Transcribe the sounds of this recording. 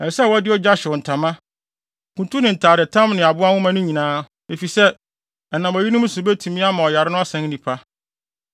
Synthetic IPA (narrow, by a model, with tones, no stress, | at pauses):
ɛ˨sɛ˦˨wɔ˦dɪ˦ɔ˦d͡ʑa˦ɕɪ˨n̩˨tʰã˨mã˦ | kũ˨ntʰu˦nɪ̃˨n̩˨tʰaː˨ɾɪ˨tʰã˦mnɪ̃˨a˨bʊ˦a˦wʊ̃˦mã˦nʊ̃˦ɲĩ˨nãː˦ | e˨fi˨sɛ˦˨ | nã˨mɔ˨ji˦nʊ̃˦m˦sʊ˨bɛ˦tʰũ˨mĩ˦a˦mã˨ɔ˨ja˨ɾɪ˦nʊ̃˦a˦sɛ̃˨˦ŋ˦nĩ˨pʰa˦